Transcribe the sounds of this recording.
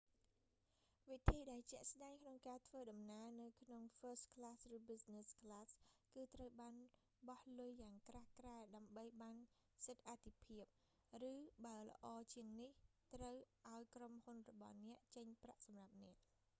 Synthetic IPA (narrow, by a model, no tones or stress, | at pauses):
ʋit̪ʰiːɗaɛlt͡ɕɛ̆əʔsɗaɛŋkʰnoŋkaːt̪ʰʋəːɗɑmnaənɨwkʰnoŋfəːst̪̚kʰlaːsrɨːɓisneskʰlaːskɨːt̪rəwɓaːn | ɓɑhlʊjːaːŋkraːhkraɛɗaəmɓəjɓaːn | sɨt̪̚ʔat̪ʰːipʰiəp̚ | rɨːɓaələ̆ʔɑːt͡ɕiəŋniht̪rəwʔaɔjkromhunrɔɓɑ̰hnɛ̆əʔt͡ɕəɲpraʔsɑmrap̚nɛ̆əʔ